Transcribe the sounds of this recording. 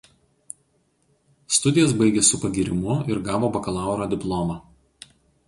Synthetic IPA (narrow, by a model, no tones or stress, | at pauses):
st̪ʊd̪ʲɪjos̬bɐɪɡʲesʊpɐɡʲiɾʲɪmʊɪɾɡɑːʋoːbɐkɐlˠɑˑʊɾoːd̪ʲɪplˠɔːmɑ